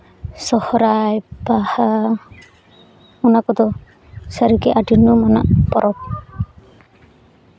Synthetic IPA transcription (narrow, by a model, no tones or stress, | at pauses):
sɔhɔɾajbaha | munakɔd̪ɔ | saɾikeʔadinumɔna̰ʔpɔɾɔp̚